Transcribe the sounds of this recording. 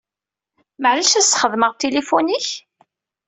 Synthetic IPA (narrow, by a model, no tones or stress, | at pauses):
məʕlæʃæsχəðˤməʁt̪ːelefuniç